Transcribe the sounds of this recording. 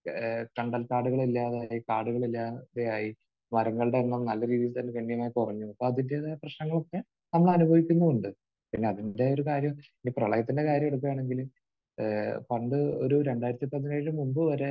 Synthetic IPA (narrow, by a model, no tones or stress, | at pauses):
kɐɳɖɐlkaːɽuɣɐɭilːaːðaːjikaːɽuɣɐɭilːaːðejaːji | mɐɾɐŋːɐɭɨɽe̞nːamnɐlːɐɾiːðijilt̪ɐnːekɐɳːijɐmaːjikurɐɲːuɐpːo̞ːɐðinde̞ðeprɐɕnɐŋːɐɭo̞kːe̞ | nɐmːɐɭɐnubʱɐʋikʲːunːɐðuɳɖɨ | piɳːe̞ɐðinde̞o̞ɾukaːɾjɐminːɡiprɐɭɐjɐt̪ːinde̞kaːɾjɐmeɽuk̬ːɐjaːɳe̞ŋɡilu | pɐɳɖɨoɾuɾe̞ɳɖaːjiɾɐt̪ːipɐðɐinaːɻɻumːumbɨʋɐɾe̞